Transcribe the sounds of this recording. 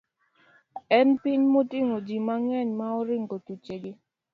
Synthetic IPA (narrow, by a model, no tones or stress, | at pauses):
ɛnpɪɲmotɪŋod͡ʒimaŋɛɲmaɔɾɪŋɡotut͡ʃeɡɪ